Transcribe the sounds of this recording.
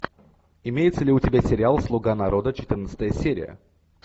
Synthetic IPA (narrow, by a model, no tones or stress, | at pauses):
ɪmʲejɪt̪səlʲɪʊtʲɪbʲasʲɪɾʲɪalˠslˠʊɡanɐɾo̞d̪ət͡ɕɪ̥t̪ɨrnət̪sə̥t̪əjəsʲeɾʲɪjə̰